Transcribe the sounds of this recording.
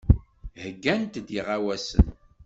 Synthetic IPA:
həɡːænt̪d̪iʁawæsə̰n

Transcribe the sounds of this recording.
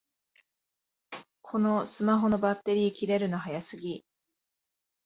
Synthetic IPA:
kʰo̞no̞sɨmaɦo̞no̞bat̪ːe̞ɾʲiːkʲiɾe̞ɾɯ̟noɦajasɨɡʲi

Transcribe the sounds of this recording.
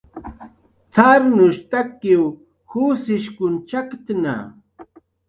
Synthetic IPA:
t̪ʰaɾnʊʃt̪akːɪw | husɪʃkʊnt͡ʃakt̪na̰

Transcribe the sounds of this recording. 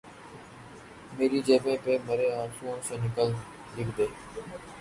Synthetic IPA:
meːɾiːd͡ʒeːpẽːpeːməɾeːãːsũːõːseːnɪkəl | lɪkʰd̪eː

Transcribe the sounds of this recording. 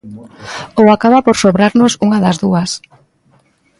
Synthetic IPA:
owakaβapoɾsoβɾaɾnosuŋaðazðuas

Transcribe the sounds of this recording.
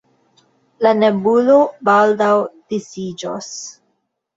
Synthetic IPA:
lanebulobaldawd̥isid͡ʒo̰s

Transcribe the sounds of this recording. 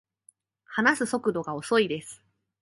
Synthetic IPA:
hanasɨso̞kɯ̟d̪o̞ɡao̞so̞id̪e̞sɨ̥

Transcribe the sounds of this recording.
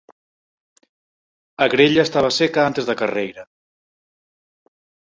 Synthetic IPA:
aɣɾeʎaest̪aβ̞asekaant̪ezðakarejɾa

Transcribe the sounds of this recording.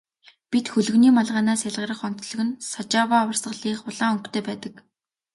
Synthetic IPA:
pit̪xɵɮɵ̆ɣniːmaɮʁaːnaːsjaɮʁə̆ɾə̆χɔn̥t̪ɮɵ̆ɣɘ̆nsɔt͡ɕaːwaːwə̆rsɢə̆ɮiːχʊɮaːɵŋkt̪ʰeːpæːt̪ə̆k

